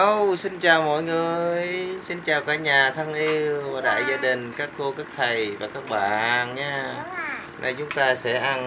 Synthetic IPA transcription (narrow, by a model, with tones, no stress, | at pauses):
ə˧wsi˧nt͡ɕaː˨˩wmɔ̰˧˨jŋɨ˨˩əəjjsi˧nt͡ɕaː˨˩wkaː˧˥ɲaː˨˩t̪ʰa˧ŋʔi˧wvaː˨˩ɗa̰ː˧˨jzaː˧ɗï˨˩ŋ̟kaː˦˥kːo˧ka˦˥k̚t̪ʰə˨˩jvaː˨˩kaː˦˥k̚ɓa̰ː˧˨nɲaː˧ | na̰˧˩jt͡ɕʊ˨˦ŋ͡mt̪aː˧sɛ̰˧˥ʔa˧n